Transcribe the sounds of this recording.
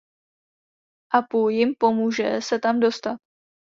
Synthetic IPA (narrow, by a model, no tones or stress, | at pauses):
ʔapujɪmpo̞muːʒɛ̰sɛt̪amdo̞st̪at̪̚